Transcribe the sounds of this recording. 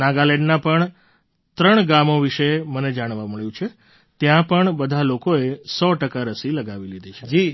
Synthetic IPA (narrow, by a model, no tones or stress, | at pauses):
naɡalɛɳɖnapəɳ | t̪ɾəɳɡamoʋiʃeməned͡ʒaɽ̃ʋaməɭjũt͡ʃʰe | t̪jãpəɳbəd̪ʱalokoesɔʈəkaɾəsiləɡaʋilid̪ʱet͡ʃʰed͡ʒi